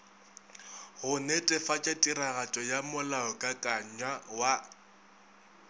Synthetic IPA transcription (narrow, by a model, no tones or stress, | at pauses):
hʊnɛtʼɛfat͡ʃʼatʼiraɣat͡ʃʼɔjamʊlaɔkʼakʼaɲwawa